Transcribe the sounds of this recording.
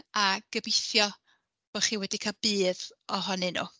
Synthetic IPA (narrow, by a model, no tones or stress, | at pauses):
aɡ̥əbɪθjɔ | b̥ɔχiːwɛdikʰalˠbɨːðɔɦɔnɨnṵ